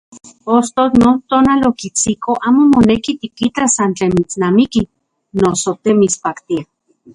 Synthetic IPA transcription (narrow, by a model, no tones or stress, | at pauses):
post̪onont̪oːnalokit͡sikoʔaːmomonekit̪ikitasant͡ɬeːnmit͡snamiki | nosot̪emit͡spakt̪ia